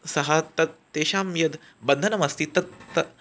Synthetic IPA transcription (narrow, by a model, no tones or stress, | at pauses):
sɐɦɐt̪ɐt̪̚ːeːʃaːmjɐd̪ | bɐnd̪ʱɐnɐmɐst̪it̪ɐt̪ːɐ